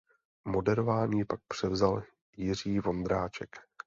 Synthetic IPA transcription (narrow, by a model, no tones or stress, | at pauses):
mo̞dɛɾovaːɲiːpak̚pr̝̥ɛvzal | jɪr̝iːvo̞nd̪ɾaːt͡ʃɛ̰k